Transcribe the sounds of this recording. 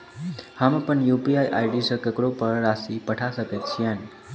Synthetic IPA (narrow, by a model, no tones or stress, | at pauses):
hamapəɳjupiajʔajɖisəkəkɽopəɾɾasipəʈʰasəkət̪t͡ʃʰijan